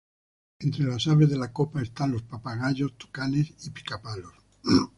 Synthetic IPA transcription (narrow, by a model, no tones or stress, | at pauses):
e̞nt̪ɾe̞lasaβe̞zðe̞lako̞pae̞st̪anlo̞spapaɣaʎo̞st̪u̥kane̞sipi̥kapalo̞s